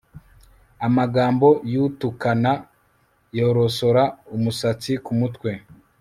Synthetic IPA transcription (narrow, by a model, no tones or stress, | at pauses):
amaɡaːmbo̞juːtukana | jo̞ɾo̞so̞ɾaumusat͡sikumutkwe̞